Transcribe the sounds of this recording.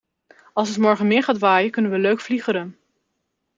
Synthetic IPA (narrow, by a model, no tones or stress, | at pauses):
ɑlˠsətmɔɹχənmɪːɹχaːtʋaːjəkɵnənʋəløɥkfliχəɾən